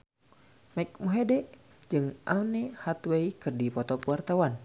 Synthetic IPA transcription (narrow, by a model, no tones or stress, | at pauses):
mak̚muɦedɛʔ | d͡ʒɨŋʔawnɛhat̪weikɨrdipɔt̪ɔkwart̪awan